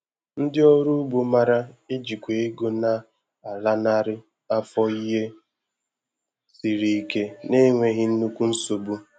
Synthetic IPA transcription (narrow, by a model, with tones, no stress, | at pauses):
n̩˦dɪ˦ɔ˦ɾu˦ɡ͡bo˦ma˦ɾa˦ɪ˦d͡ʒi˨kʷe˨e˦ɡo˦na˨ | a˨la˦na˦ɾɪ˦ | a˦fɔ˦i˦ɦe˦ | si˨ɾi˨˦˨ke˦ne˦ŋʷe˨ɦɪ˦n̩˦nu˦kʷu˦n̩˦so˨bu˦